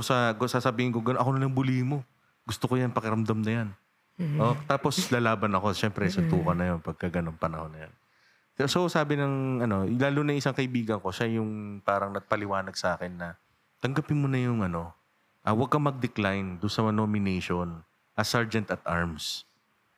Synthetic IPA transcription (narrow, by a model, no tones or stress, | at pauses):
osɐɡosaːsɐbiːhɪnkoɡɐnoʔɐko̞nɐlɐŋbʊlihɪmo̞ | ɡʊst̪okojanpɐkɪɾɐmd̪ɐmnɐjan | ʔot̪aːposlaːlaːbɐnɐko̞ʃɛmpɾɛsɐt̪uːkɐnɐjonpɐɡ̚kɐɡɐnoŋpɐnɐ̰ho̞nːɐja̰n | sosaːbɪnɐŋɐno̞laːlunɐŋʔɪsaŋkɐʔɪbiːɡɐŋko̞ʃajʊŋpaːɾɐŋnɐɡ̚pɐlɪwaːnɐɡ̚sɐʔaːkɪnːɐ | t̪ɐŋɡapɪnmonɐjʊŋʔɐno̞ | ʔɐwɐɡ̚kːɐmɐɡ̚d̪ɛklajnd̪ʊnsɐmɐnoːmɪnejʃon | ʔɐsaɹd͡ʒɛnt̪ɐt̪ʔa̰ɹms